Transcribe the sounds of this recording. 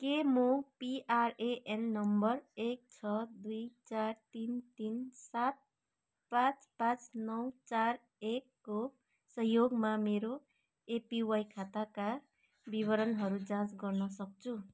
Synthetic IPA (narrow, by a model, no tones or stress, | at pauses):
kemopiʔareʔenːʌmbʌrek̚t͡sʰʌd̪ujt͡sart̪int̪insat̪̚ | pãt͡spãt͡snʌwt͡sar | ekːo | sʌɦjoɡmameɾo | epiwajkʰat̪aka | biβʌɾʌnɦʌɾud͡zãt͡sɡʌrnʌsʌk̚t͡sʰu